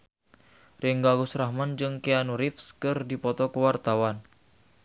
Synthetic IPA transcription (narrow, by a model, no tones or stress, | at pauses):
rɪŋɡaɡusrahmand͡ʒɨŋkeanuɾifskɨrdipɔt̪ɔkəwart̪awan